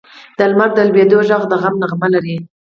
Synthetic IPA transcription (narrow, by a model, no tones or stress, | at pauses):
d̪̥əlmaɾd̪əlbed̪oʒɑɣd̪əɣamnaɣmalaɾi